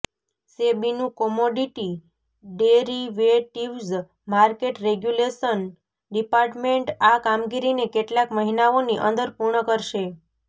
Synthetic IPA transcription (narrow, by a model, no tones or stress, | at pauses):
sebinũkɔmoɖiʈi | ɖeɾiʋeʈiʋz | maɾkeʈɾeɡjuleʃən | ɖipaɾʈmeɳʈakamɡiɾinekeʈlakməɦinaoniʔə̰̃nd̪əɾpuɾɳəkəɾʃe